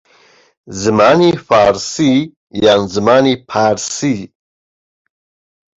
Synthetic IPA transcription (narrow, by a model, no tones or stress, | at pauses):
zɨmaːnifaːɾsi | janzɨmaːnipʰaːɾsi